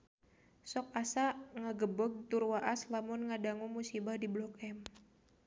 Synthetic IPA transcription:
sɔk̚asaŋaɡəbəɡ̚t̪urwaʔaslamʊnŋadaŋumusibahdiblɔk̚ɛm

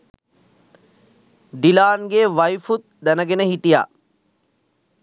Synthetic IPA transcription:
ɖilaːnɡeːʋɐjfut̪̚d̪ænəɡenəɦiʈija̰ː

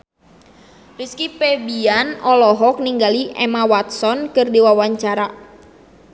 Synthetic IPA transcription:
riskipɛbianɔlɔɦɔk̚niŋɡaliʔɛ̰mawat̪̚sɔnkɨrdiwawaɲt͡ʃaɾa

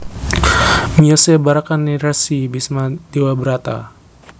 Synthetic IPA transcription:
miosebaɾakaniɾasibismad̪̥iwabəɾat̪a̰

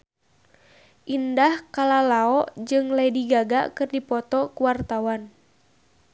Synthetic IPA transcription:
ʔindahkalalaɔʔd͡ʒɨŋlaidiɡaɡa̰kɨrdipɔt̪ɔkuwart̪awan

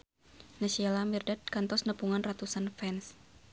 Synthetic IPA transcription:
nasialamirdat̪̚kant̪ɔsnəpuŋanrat̪usanfɛns

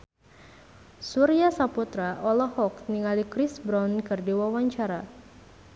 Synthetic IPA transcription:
suɾiasaput̪ɾaʔɔlɔhɔk̚niŋalikɾɪsbɾankɨrdiwawaɲt͡ʃaɾa

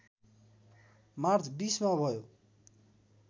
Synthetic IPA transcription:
mart͡sʰbismabʱʌjo

